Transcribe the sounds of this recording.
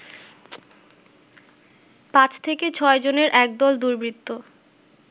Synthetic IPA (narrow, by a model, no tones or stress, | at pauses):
pãt͡ɕʰt̪ʰeket͡ɕʰɔed͡ʑoneɾʔɛk̚d̪ɔld̪uɾbɾit̪ːo